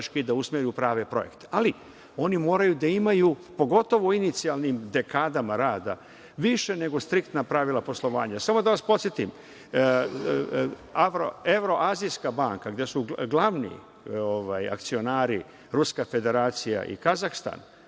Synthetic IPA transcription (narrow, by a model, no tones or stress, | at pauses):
ʃkid̪ausmeɾjupɾaːʋepɾo̞je̞kt̪e̥ali | o̞nimo̞ːɾajud̪aimajupo̞ɡo̞t̪o̞ʋoinit̪sialnimd̪e̞kaːd̪amaɾaːd̪a̰ | ʋiʃe̞ne̞ɡo̞st̪ɾikt̪napɾaʋilˠapo̞slˠo̞ʋa̰ːɲasamo̞d̪aʋaspot̪sjet̪im | aʋɾo̰e̞ʋɾo̞ʔaːziskabaːŋkaɡd̪je̞suɡlˠaʋnḭ | oʋaja̰kt̪sio̞naːɾi | ɾuskafe̞d̪e̞ɾaːt̪sija̰ʔḭkazaxst̪a̰n